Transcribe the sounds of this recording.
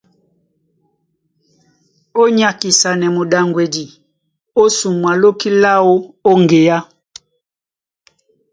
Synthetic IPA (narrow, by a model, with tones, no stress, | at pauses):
o˦ɲa˨ki˨sa˨nɛ˨mu˨ɗa˨ŋɡwɛ˨di˨ | o˦su˨mwa˨lo˦ki˦la˦o˦o˦ŋɡe˨ja˦